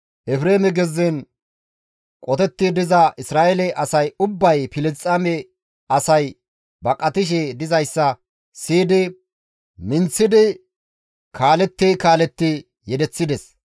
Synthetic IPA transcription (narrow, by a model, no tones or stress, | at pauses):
ʔɛfɾeːmɛɡɛzːɛn | kʼɔt̪ɛt̪ːɪd̪ɪzɐʔɪsɾaːʔɛlɛʔɐsɐjʊbːɐjfɪlst͡sʼɐmɛ | ɐsɐj | bɐkʼɐt̪ɪʃ̬ɛd̪ɪzɐjsːɐ | siːd̪ɪ | mɪnt͡sːɪd̪ɪ | kʰaːlɛt̪ːɪkaːlɛt̪ːɪ | jɛd̪ɛt͡sːɪd̪ɛs